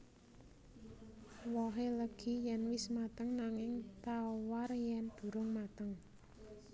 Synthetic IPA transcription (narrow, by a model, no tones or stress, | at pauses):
wɔɦeləɡ̥i̤jɛnwɪsmat̪əŋnaŋɪŋt̪awarjɛnd̪̥ṳɾʊŋmat̪əŋ